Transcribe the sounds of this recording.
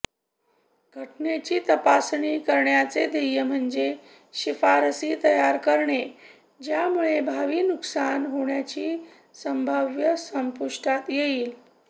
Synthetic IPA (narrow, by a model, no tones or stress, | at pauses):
ɡʱəʈnet͡ɕiːt̪əpasɳiːkəɾɳjat͡sed̪ejəm̤əɳd͡ze | ɕifaɾəsiːt̪əjaɾkəɾɳe | d͡ʑjamuɭebʱaʋiːnuksanɦoɳjat͡ɕiː | səmbʱaʋjəsəmpuʂʈat̪jeiːl